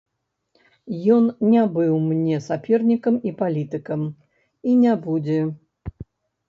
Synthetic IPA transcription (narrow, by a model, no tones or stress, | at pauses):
jɔnnʲabɨwmnʲɛsapʲɛrnʲikɐmipalʲit̪ɨkɐm | inʲabud͡zʲɛ